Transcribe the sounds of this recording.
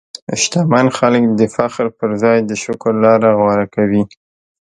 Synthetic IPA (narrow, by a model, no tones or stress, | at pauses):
ɪʃt̪ɑmɑnxaləkd̪əfaxɾpəɾzɑjd̪əʃʊkəɾlɑɾaɣwɑɾakawi